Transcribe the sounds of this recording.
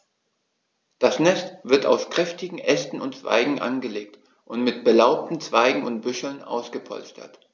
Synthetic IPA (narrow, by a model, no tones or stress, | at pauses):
d̥asnɛstv̥ɪɐta̰ʊskʁ̥ɛftɪɡŋ̩ʔɛstn̩ʊntt͡sv̥a̰ɪɡŋ̩ʔa̰nɡəleːk̚t | ʔʊntmɪt̚b̥əlaʊp̚tn̩t͡sv̥aɪɡŋ̩ʊnt̚b̥ʏʃl̩nʔa̰ʊsɡ̥əpʰɔ̰lstʰɐ̰t